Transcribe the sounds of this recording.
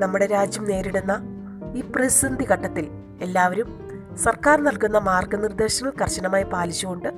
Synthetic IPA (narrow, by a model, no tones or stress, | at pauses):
nɐmːuɽe̞ɾaːd͡ʑjɐmne̞ːɾiɽunːɐ | iːprɐsind̪ikɐʈːɐt̪ːil | e̞lːaːʋɐɾum | sɐrkaːrnɐlkunːɐmaːrɡɐnird̪e̞ːɕɐŋːɐɭkɐrɕɐnɐmaːjipaːlit͡ɕːuɣoɳɖɨ